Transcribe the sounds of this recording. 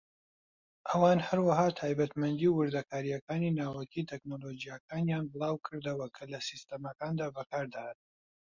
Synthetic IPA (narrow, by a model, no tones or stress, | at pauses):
ʔɐwaːnhɐɾwɐɦaːt̪ʰaːjbɐt̪mɐnd̪iwɨɾd̪ɐkʰaːɾijɐkaːniːnaːwɐkit̪ʰɛknolod͡ʒijakaːnjanbɨlˠɑːwkʰɨɾd̪ɐwɐkʰɐlɐsist̪ɐmɐkaːnd̪aːbɐkaːɾd̪ahat̪̚